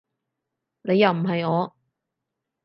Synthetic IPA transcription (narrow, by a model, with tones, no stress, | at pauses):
ne˨˧jːɐ˨wm̩˨˩ɦɐ˨jŋɔː˨˧